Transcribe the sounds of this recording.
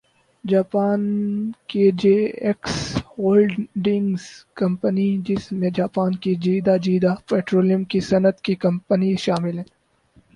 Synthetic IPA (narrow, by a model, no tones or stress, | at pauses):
d͡ʒaːpaːnked͡ʒeːeksɦoːlɖɪ̃ŋɡzkɐ̃mpənid͡ʒɪsmẽd͡ʒaːpaːnkid͡ʒiːd̪ad͡ʒiːd̪apɛːʈɾoːlijəmkisɐnət̪kikɐ̃mpəniʃaːmɪlɦɛ̃ː